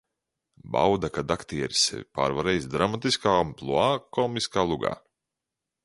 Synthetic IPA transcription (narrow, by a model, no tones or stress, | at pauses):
ba̰wd̪akad̪akt̪iɛɾisɛ̰vʲipa̰ːɾvaɾɛjsd̪ɾamat̪iskaːumplˠuaːkɔmiskaːlˠuɡa̰ː